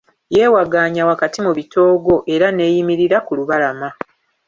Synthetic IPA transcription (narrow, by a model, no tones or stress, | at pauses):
je̞ːwaɡaːɲawakatimuβito̞ːɡo̞ʔe̞ɾane̞ːjimiɾiɾakuluβalama